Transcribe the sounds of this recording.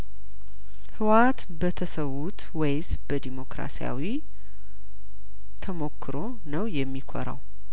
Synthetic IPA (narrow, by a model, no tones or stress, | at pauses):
hɨwat̪ | bət̪ʰəsəwːut̪wejs | b̥əd̪imo̞kɾa̰sija̰wi | t̪ʰəmo̞kʰːɨɾo̞ | nəwjɛmːikʷʰo̰ɾa̰w